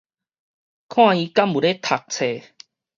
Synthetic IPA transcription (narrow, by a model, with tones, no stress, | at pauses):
kʰw̃ãː˥˧i˧ka˦˥mu˨˩ɾe˦t̪ʰa˨˩k̚t͡sʰe˨˩